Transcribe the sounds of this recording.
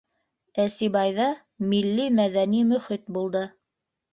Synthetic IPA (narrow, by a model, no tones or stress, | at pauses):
æsiβɑjðɑ | milːimæðænimɵ̆χit̪̚bulˠd̪ɤ